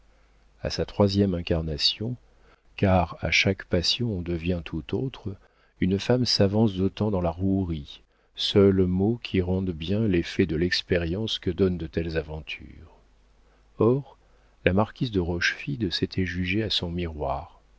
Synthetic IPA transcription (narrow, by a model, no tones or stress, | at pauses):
a̰sat̪χwazjɛmɛ̃kaʁnasjɔ̃ | kaʁa̰ʃakpasjɔ̃d̪əvjɛ̃t̪ʰut̪ot̪χ | ynfamsavɑ̃s̬d̪ot̪ɑ̃d̪ɑ̃laʁuʁi | sœlmokʲʰiʁɑ̃d̪bjɛ̃lefɛd̪əlɛkspeʁjɑ̃skəd̪ɔnd̪ət̪ɛlzavɑ̃t̪ʰy̰ːʁ | ɔʁ | lamaʁkʲizd̪əʁɔʃfid̪sɛt̪ʰɛʒyʒeasɔ̃miʁwaːʁ